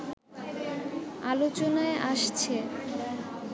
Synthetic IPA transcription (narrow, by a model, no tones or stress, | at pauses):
alot͡ɕonaeʔaʃt͡ɕʰe